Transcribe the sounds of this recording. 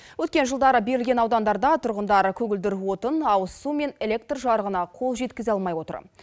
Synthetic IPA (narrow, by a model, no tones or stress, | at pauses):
wɵt̪kʲe̞nʒəlˠd̪ɑɾəbe̞ɾɪlɡʲenɑwd̪ɑnd̪ɑɾd̪ɑt̪ʰʊɾʁənd̪ɑɾəkʲʰɵɡʲɪld̪ɪɾwo̞t̪ənɑwəsume̞nelʲe̞k̚t̪rʒɑɾəʁənɑqʰo̞lˠʒe̞t̪kʲɪzɑlˠmɑjwo̞t̪ə̰ɾ